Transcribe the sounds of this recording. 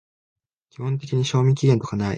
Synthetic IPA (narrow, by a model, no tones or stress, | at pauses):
kʲihõnt̪̬e̞kʲiɲ̟iɕo̞ːmʲĩkʲiɡent̪o̞kanaḭ